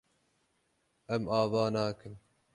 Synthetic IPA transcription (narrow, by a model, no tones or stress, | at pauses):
ɐmaːvɑːnaːkɨn